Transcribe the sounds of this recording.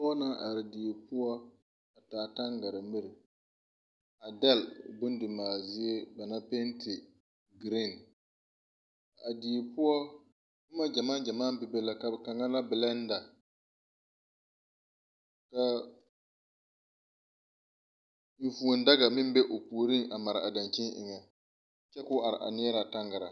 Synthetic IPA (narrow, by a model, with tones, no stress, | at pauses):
ɔ˦ɔ˦na˦ʔa˨ɾɪ˨di˨e˨pʊ˦ɔ˦ | a˨taː˨ta˦ŋɡa˨ɾa˨mɪ˦ɾɪ˨ | a˨dɛ˦lbʊ˦n˦dɪ˨maː˨zɪ˦e˦ba˨na˦pɛ˦ntʰɪ˨ | ɡɾi˦˨n | a˨di˨e˨pʊ˦ɔ˦ | kʊ˦ma˦d͡ʒa˨maː˦d͡ʒa˨maː˦bɪ˨be˦la˦ka˨ka˨ŋa˦la˦bɪ˨lɛ˦n˦da˨ | ka˨ | ɱ̩˨fu˨o˨nda˦ɡa˨mɪ˦m˦bɛ˦ʔo˨pu˨ɾi˦ŋʔa˨ma˨ɾɪ˨a˨da˨nt͡ʃi˦nʔɪ̰˨ŋɛ˨ | t͡ʃɛ˦kʊ˦a˨ɾɪ̰˨ʔa̰˨nɪ˦ɛ˦ɾa˨ta˦ŋɡa˨ɾa˨